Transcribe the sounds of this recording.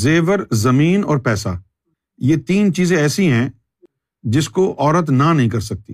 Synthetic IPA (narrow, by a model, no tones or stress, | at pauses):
zeːʋəɾzɐmiːnɔːɾpɛːsa̰ː | jeːt̪iːnt͡ʃiːzẽɛːsiɦɛ̃ | d͡ʒɪskoʔɔːɾət̪nanɐɦĩkɐɾsɐk̚t̪ḭː